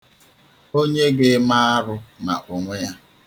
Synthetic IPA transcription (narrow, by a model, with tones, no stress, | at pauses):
o˦ɲe˦ɡe˦ma˦a˦ɾʊ˦na̰˨ʔo˨ŋʷe˦ja˦